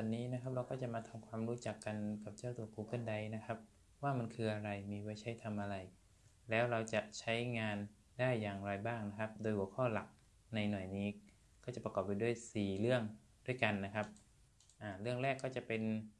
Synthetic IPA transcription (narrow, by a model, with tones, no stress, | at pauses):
t̪ɔ˧nːiː˦˥na˦˥kʰa˦˥p̚ɾa˧wkɔː˥˩t͡ɕa˨˩ʔmaː˧t̪ʰa˧mkʰwaː˧mɾuː˦˥t͡ɕa˨˩kːa˧nka˨˩p̚t͡ɕaː˥˩wt̪u˨˩əkuː˧kʰɯ˥˩ənda˧jna˦˥kʰa˦˥p̚ | waː˥˩ma˧nkʰɯː˧ʔa˧ɾa˧jmiː˧wa˧˩jt͡ɕʰa˦˥jt̪ʰa˧mʔa˧ɾa˧j | lɛː˦˥wɾa˧wt͡ɕa˨˩ʔt͡ɕʰa˦˥jŋaː˧n | daː˥˩jːaː˨˩ŋɾaː˧jbaː˥˩ŋna˦˥kʰa˦˥p̚doː˧jhu˩əkʰɔː˥˩la˨˩k̚ | na˧jnɔ˨˩jniː˦˥ | kɔː˥˩t͡ɕa˨˩pɾa˧ɔː˨˩p̚ːa˧jdu˥˩əjsiː˨˩lɯ˥˩əŋ | du˥˩jka˧nːa˦˥kʰa˦˥p̚ | ʔaː˧˩lɯ˥˩əŋɾɛː˥˩kːɔː˥˩t͡ɕa˨˩pe˧n